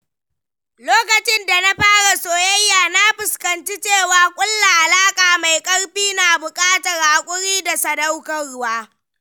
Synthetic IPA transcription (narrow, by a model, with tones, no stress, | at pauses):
loː˦kɐ˨t͡ʃɪ˦nda˨na˦ɸaː˦ɽa˨soː˨jɐ˦jːaː˨na˦ɸɪ˨skɐ˨nt͡ʃi˦t͡ʃeː˦˨waː˨kʷʼʊ˦lːa˨ʔa˨laː˦kʼaː˨ma˨jkʼɐ˦ɽɸiː˦na˨bʊ˨kʼaː˦ta˨ɾa˨kʷʼʊ˦ɽiː˦da˨sɐ˨dɐ˦wkɐ˨ɽʊ˦waː˦